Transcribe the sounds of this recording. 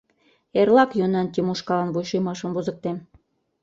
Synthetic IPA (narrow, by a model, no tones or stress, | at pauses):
erlɑkjonɑnt̪ʲimuʃkɑlɑnβujʃojmɑʃɤ̆mβuzə̆k̚t̪em